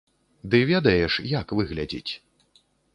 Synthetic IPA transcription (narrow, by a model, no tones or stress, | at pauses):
d̪ɨvʲɛd̪ɐjɛʂjakvɨɣlʲad͡zʲḭt͡sʲ